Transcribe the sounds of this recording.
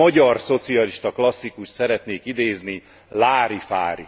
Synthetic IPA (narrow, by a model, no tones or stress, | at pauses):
ɒɟɒrso̞t̪siɒliʃt̪ɒklɒsːikuʃt̪sɛɾɛt̪neːkid̪eːzni | laːɾifaːɾḭ